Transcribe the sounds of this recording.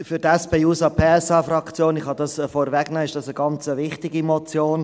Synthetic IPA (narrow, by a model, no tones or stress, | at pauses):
fyɾtɛspeːuːsɑpʰeːɛsɑːfrɑkt͡sjoːnɪχhɑdɑsfɔɾvɛɡ̥nɑːɪʃd̥ɑsəɡɑnt͡səʋɪχtɪɡimɔt͡sjoːn